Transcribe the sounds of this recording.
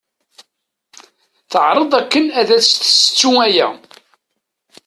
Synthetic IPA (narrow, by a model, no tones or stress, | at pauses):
θəʕɾˤəðˤækːənæðæt͡sːθəsə̥t͡sːuŋæjæ̰